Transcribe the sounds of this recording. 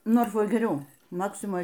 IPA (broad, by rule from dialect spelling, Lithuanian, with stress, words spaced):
ˈnoːrfoːj ɡʲɛˈrʲɛʊ ˈmɑːksʲɪmoːj